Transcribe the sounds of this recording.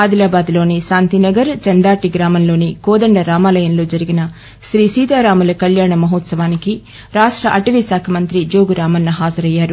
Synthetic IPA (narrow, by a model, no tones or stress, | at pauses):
aːd̪ilaːbaːd̪lo̞ːniʃaːnt̪inɐɡɐɾt͡ʃɐnd̪aːʈiɡɾaːmɐnlo̞ːnikɔːd̪ɐɳɖɐɾaːmaːlɐjɐmlo̞ːd͡ʒɐɾiɡinɐ | ʃɾiːsiːt̪aːɾaːmɐlɐkɐljaːɳɐmɐɦot̪sɐʋaːniki | ɾaːʂʈɾɐʔɐʈiʋisaːkʰɐmɐnt̪ɾid͡ʒoːɡuɾaːmɐnːɐɦaːd͡ʒɐɾɐjːaːɾu